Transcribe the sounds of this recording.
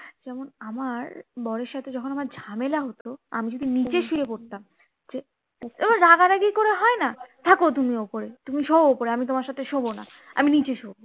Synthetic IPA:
d͡ʑɛmonamaɾbɔɾeɾʃat̪ʰed͡ʑɔkʰonamaɾd͡ʑʱamelaɦot̪oa̰mid͡ʑod̪ʱinit͡ɕeʃiɾepoɾt̪am | d͡ʑe | monɾaɡaɾaɡijkoɾeɦɔenat̪ʰakot̪̬umiopoɾet̪umiʃoopoɾeamit̪omaɾʃat̪ʰeʃobona̰ | a̰minit͡ɕeʃobo

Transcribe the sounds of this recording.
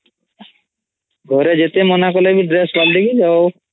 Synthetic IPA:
ɡʱoɾed͡ʒet̪emonakolebʱiɖɾeːsbalɖikid͡ʒao

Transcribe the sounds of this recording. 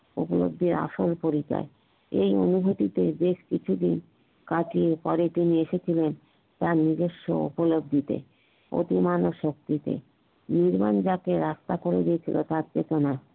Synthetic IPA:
ṵpolo̰b̚d̪ʱiɾa̰ʃolpoɾika̰e | ejo̰nuɡʱot̪it̪ed̪eʃkit͡ɕʰud̪in | kaʈiepɔɾet̪inieʃet͡ɕʰilen | t̪aɾnid̪eʃːo̰ṵpolob̚d̪ʱit̪ḛ | o̰t̪imanoʃok̚t̪it̪ḛ | niɾmand͡ʑakeɾast̪akoɾed̪iet͡ɕʰilo̰t̪aɾt͡ɕet̪ona

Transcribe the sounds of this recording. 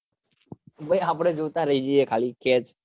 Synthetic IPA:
bəjapɽ̃ed͡ʒoʋt̪aɾəɦid͡ʒiekʰaːlikʰet͡ʃ

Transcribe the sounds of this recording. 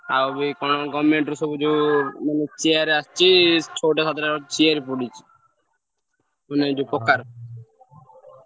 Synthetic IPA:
a̰wbikɔnɔɡɔmmeɳʈɾusɔbud͡ʒumanet͡ʃijaɾast͡ʃʰit͡ʃʰoʈasat̪ɾat͡ʃijaɾipɔɽit͡ʃʰi̥ | uned͡ʒupɔkaɾ

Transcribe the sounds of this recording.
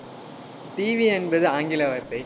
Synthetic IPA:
t̪iːʋiɛnbɐðɯaːŋɡɪlɐʋɐɾt̪ːɐɪ

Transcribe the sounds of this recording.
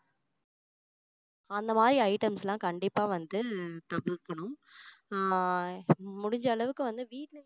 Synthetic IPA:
ɐnd̪ɐmaːd̪ɾiɐɪʈɐmslãːkɐɳɖɪpːaːʋɐnd̪ɯt̪ɐbɪɾkːɐɳʊm | mʊɽɪɲd͡ʒɐːɭɐʋɯkːɯʋɐnd̪ɯʋiːʈl

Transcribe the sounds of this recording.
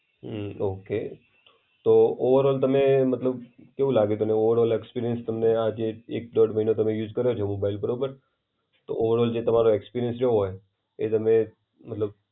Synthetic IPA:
oke | t̪ooʋəɾɔlt̪əmemət̪ləbkeʋũlaɡet̪oneoʋəɾɔlekspiɾijənst̪əmnead͡ʒeek̚d̪ɔɽməɦinot̪əmẽjud͡ʒkəɾjot͡ʃʰemobailbəɾopəɾ | t̪o̰ʔoʋəɾɔld͡ʒet̪əmaɾoekspiɾijənsɾoɦoj | et̪əmẽ | mət̪ləb̚

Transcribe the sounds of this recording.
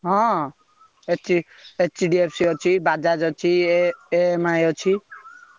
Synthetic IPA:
ɦɔ̃ | et͡ʃʰi | et͡ʃiɖiepʰsiot͡ʃʰibad͡ʒad͡ʒɔt͡ʃʰieemajot͡ʃʰi

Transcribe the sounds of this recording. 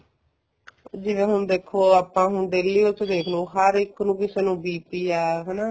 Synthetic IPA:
d͡ʒɪʋẽːɦʊɳd̪eːkʰːoːaːpːãːɦʊɳd̪eːliːʊt̪ed̪eːkʰnõːɦəɾɪkːnũːkɪseːnũːbiːpiːaːɦɛːnaː

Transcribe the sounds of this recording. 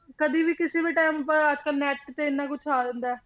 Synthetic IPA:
kəd̪iːbiːkɪseːbiːʈaːɪmpəɾəd͡ʒkəlnɛːʈ̚kɪt̪eːɪnːãːk̬ʊt͡ʃʰaːd̪ənd̪aɛː

